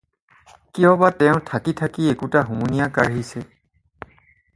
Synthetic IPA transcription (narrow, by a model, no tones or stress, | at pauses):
kijɔ̃batɛʊ̃tʰakitʰakiekutaɦumunijakaɹɦisɛ